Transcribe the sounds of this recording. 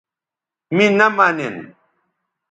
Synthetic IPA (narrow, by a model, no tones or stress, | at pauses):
mĩnamanen